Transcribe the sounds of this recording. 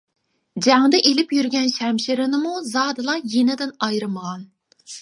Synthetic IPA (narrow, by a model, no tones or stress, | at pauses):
d͡ʒæŋd̪ɛʔelɪpjyɾɡʲɛnʃɛmʃiɾɪnɪmuzɑːd̪ɨlˠɑjenɪd̪ɪnɑjɾɨməʁɑn